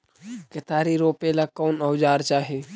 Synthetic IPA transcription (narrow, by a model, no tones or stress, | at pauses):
kɪt̪aːɾiɾoːpelakoːnəwd͡ʒaːɾt͡ʃaːɦe